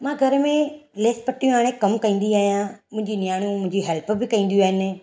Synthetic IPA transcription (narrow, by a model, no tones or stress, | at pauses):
mãːɡʱɐɾmẽleːspɐʈijũɦaːɽ̃ẽkɐmkɐĩːn̆d̪iaːɦijãmʊ̃ɦɪ̃ɲd͡ʑinjaːɽ̃ũmʊ̃ɦɪ̃ɲd͡ʑiɦɛlpbɪkɐ̃ĩːn̆d̪iaːɦɪnɪ̆